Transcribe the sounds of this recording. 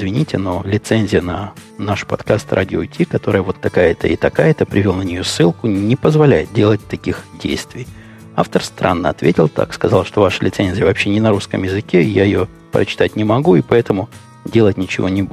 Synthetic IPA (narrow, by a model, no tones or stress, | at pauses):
ɪzvʲɪnʲitʲɪnolʲɪt̪senʲzʲɪjənɐnaʂpɐt̪kast̪ɾʔa̰dʲɪotʲikɐt̪o̞ɾɨjəvo̞t̪ːɐkajət̪ə̰ɪt̪ɐkajət̪əpɾʲɪvolˠnənʲɪjosːɨlˠkʊnʲɪpəzvɐlʲæjɪt̪̚dʲe̞lˠət̚ʲt̪ɐkʲixdʲḛjst̪vʲɪj | aft̪ərst̪ɾʔa̰nːəɐt̪vʲetʲɪlˠt̪a̰kskɐzalˠʂt̪o̞vaʂəlʲɪt̪senʲzʲɪjəvɐpɕːe̞nʲɪnɐɾuskəmjɪzɨkʲeɪjajɪjo̞ | pɾə̰t͡ɕɪ̥t̪at̚ʲnʲɪmɐɡuɪpɐɛt̪əmʊ | dʲe̞lˠətʲnʲɪt͡ɕɪvo̞̰nʲɪbu